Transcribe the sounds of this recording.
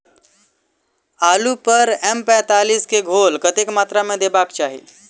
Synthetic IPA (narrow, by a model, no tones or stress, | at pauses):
alupəɾɛmpɛ̃t̪aliːskeɡʱolkət̪ekmat̪ɾamẽd̪ebakt͡ʃaɦḭ